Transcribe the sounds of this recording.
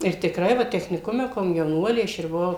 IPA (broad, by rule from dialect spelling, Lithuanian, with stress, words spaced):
ɪr tʲɪkˈrɐɪ ˈʋɐ tʲɛxʲnʲɪˈkʊmʲɛ koːmʲjɛʊˈnuɔlʲeː ˈɐʃ ɪr bʊˈʋɐʊ